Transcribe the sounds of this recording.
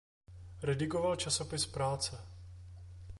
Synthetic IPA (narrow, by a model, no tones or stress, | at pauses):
ɾɛdɪkovalt͡ʃaso̞pɪspɾaːt͡sɛ